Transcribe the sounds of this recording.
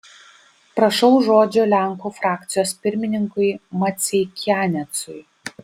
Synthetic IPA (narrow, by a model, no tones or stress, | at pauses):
pɾɐʃɒʊʒoːd͡ʒʲoːlʲæˑŋkuːfɾɑːk̚t̪sʲɪjoːspʲɪɾʲmʲɪnʲɪŋkʊɪmɐt̪sʲɛɪkʲæːnʲɛt̪sʊj